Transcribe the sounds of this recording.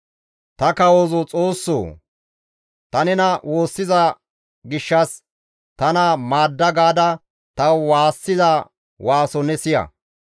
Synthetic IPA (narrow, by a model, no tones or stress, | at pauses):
t̪ɐkɐwozɔt͡sʼo̞ːsːo̰ː | t̪ɐnɛnɐwʔo̞ːsːɪzɐ | ɡɪʃːɐs | t̪ɐnɐmaːd̪ːɐɡaːd̪ɐ | t̪ɐwwaːsːɪzɐ | waːsɔnɛsɪjɐ̰